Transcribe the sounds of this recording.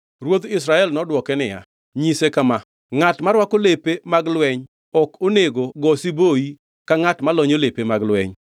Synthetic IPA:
rwot̪ɪs̬ɾaɛlnɔdwɔkɛnɪja̰ | ɲisekama | ŋatmaɾwakolepemaɡlwɛɲ | ɔkoneɡoɡɔsiboi | kaŋatmalɔɲolepemaɡlwɛ̰ɲ

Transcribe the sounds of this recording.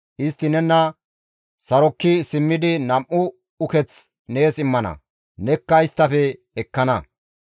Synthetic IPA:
ʔɪst̪ːɪnɛnːɐ | sɐɾɔkːɪsɪmːɪd̪ɪnɐmʔʊ | ʊkɛt͡s | neːsɪmːɐnɐ̰ | nɛkːɐɪst̪ːɐfɛː | kːɐnɐ

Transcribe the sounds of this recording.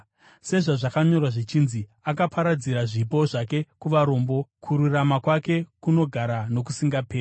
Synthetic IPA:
se̞ʐaʐakaɲo̞rwaʐit͡ʃinziakapaɾad͡ziɾaʐip̬o̞ʐake̞kuʋaɾo̞mbo̞kʰuɾuramakwake̞kuno̞ɡʱaɾano̞k̬usiŋɡape̞ː

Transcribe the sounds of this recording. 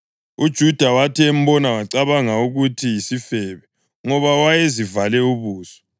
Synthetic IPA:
ud̥ʒ̥ʱud̥ʱawatʰɛːm̩bɔnawaǀaβaŋauɣutʰijisifɛβɛ | ŋɔβawajezivalɛuβuːsɔ̥

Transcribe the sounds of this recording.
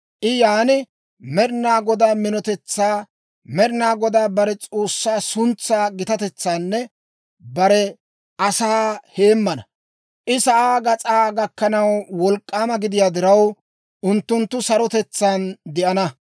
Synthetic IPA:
ʔɪjaːnɪ | mɛɾɪnaːɡɔd̪aːmɪnɔt̪ɛt͡sːaː | mɛɾɪnaːɡɔd̪aːbɐɾɛt͡sʼoːsːaːsʊnt͡sːaːɡɪt̪ɐt̪ɛt͡sːaːnːɛ | bɐɾɛ | ɐsaːhe̞ːmːɐnɐ | ʔɪsɐʔaːɡɐt͡sʼaːɡɐkːɐnɐwwɔlkʼːaːmɐɡɪd̪ɪjaːd̪ɪɾɐw | ʔʊnt̪ːʊnt̪ːʊsɐɾɔt̪ɛt͡sːaːnd̪ɛʔɐnɐ

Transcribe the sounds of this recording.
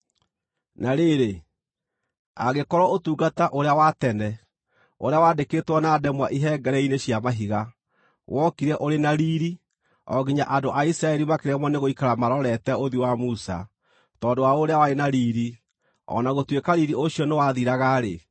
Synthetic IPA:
naɾeɾe | a̰ɣekɔɾɔotuːɡataʔoɾeawatɛnɛ | oɾeawaːdeketwɔnaːdɛmwaʔiɦɛɡɛɾɛineɕjamaɦiɣa | wʔɔkiɾɛʔoɾenaɾiːɾi | ɔ̰ɣiɲaʔandoʔaisɾaɛɾimakeɾɛmwɔneɣoikaɾamaɾɔɾɛtɛoðiwamusa̰ | tɔːdowaoɾeawaɾenaɾiːɾi | ɔ̰naɣotwekaɾiɾiʔoɕiɔnewaðiɾaɣaɾe

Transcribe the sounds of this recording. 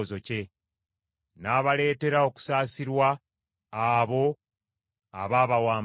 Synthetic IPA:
zo̞ce̞ | naːβale̞ːte̞ɾao̞ku̥saːsiɾwaː | βo̞ | aβaːβawaːm

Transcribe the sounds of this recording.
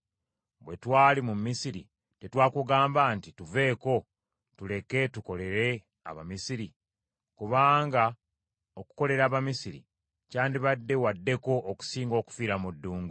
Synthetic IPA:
bwe̞twaːlimumːisiɾḭ | te̞twaːkuɡaːmbantituve̞ːko̞ | tule̞ke̞tuko̞le̞ɾe̞ | a̰βa̰misiɾi | kuβaːŋɡa | oku̥ko̞le̞ɾaːβamisiɾḭ | caːndiβadːe̞wadːe̞ko̞ʔːku̥siːŋɡo̞ːku̥fiːɾamudːuːŋɡu

